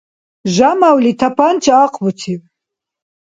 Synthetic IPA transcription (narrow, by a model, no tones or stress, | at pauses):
ʒamawlit̪ʰapʰant͡ʃʰʼaːqʰʼbut̪ʰi